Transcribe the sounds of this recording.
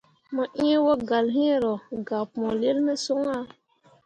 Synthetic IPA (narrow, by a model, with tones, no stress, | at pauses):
mɔ˨ʔĩ˦wo˦ɡa˨lɦĩ˦˨ɾo˨ɡa˨pmɔ̃˨le˦lme˦so˦ŋa˦˨